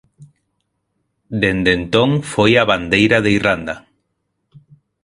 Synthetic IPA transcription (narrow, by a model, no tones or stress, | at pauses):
d̪end̪ent̪õŋfojaβand̪ejɾaðeirand̪a